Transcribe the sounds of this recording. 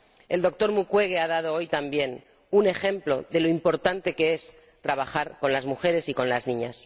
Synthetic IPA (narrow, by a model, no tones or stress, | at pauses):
e̞ld̪o̞k̚t̪o̞ɾmukwe̞ɣeað̞að̞o̞ojt̪ambje̞n | une̞xe̞mplo̞ðe̞lo̞impo̞ɾt̪ant̪e̞ke̞es | t̪ɾaβ̞axaɾko̞nlazmuxe̞ɾe̞siko̞nlaznĩɲas